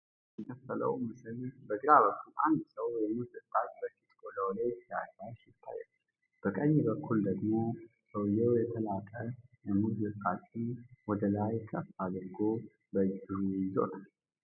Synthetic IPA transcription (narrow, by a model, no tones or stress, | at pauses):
t̪ək̪ʰət̪ːələ̰wmɨsɨlbəɡɨɾaβəkːulʔand̪səwjɛmɨɨt̪ʼːat͡ʃʼbəfit̪ʼkoləwlajt̪ʰːja̰kaʃɪt̪ʰːa̰jːɛ̰l | b̥əkʼəɲːbəkʰːuld̪əɡmo̞ | bəwjɛwjɛt̪ʰəlak̪ʼəjɛmɨzzɨt̪ʼat͡ʃʼiwɔd̪əlajkʰəfad̪ɾɨɡo | bəd͡ʒɨɾuzo̰t̪ʰal